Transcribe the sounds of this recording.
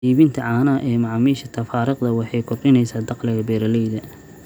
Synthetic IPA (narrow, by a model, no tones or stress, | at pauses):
iːβɪnt̪ʰɐʕɑːnɐɐʔɛːmɑʕɑmiːʃɐt̪ʰɐfaːɾɪqd̪ɐwɑħɑjkʰɔrɗɪnɛjsaːd̪ɑqlɪɣɐbɛːɾɐlɛjðɐ